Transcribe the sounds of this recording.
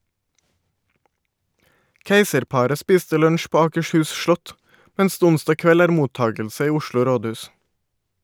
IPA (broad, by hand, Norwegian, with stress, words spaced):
ˈkeɪsəɾˌpɑɾə ˈspiːstə ˈlœɲʃ ˈpoː ɑːkəʃˈhʉːs ˈʃlɔt ˈmɛns ˈdeː ˈʊnstɑ ˈkʋɛl ˈæːɾ ˈmuːˌtɑːɡəlsə ˈiː ˈʊʃlʊ ˈɾoːˌdʉːs